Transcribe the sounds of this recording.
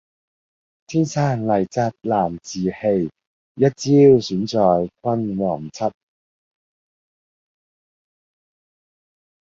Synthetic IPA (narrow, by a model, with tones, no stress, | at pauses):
t̪ʰiː˥˩nsʰaː˥˩nlɐ˨˩jt͡sɐ˧t̚laː˨˩mt͡siː˨˩he˧j | jɐ˥t̚t͡siː˥wsyː˨˥nt͡sɔː˨jkwɐ˥nwɔː˨˩ŋt͡sʰɐ˥t̚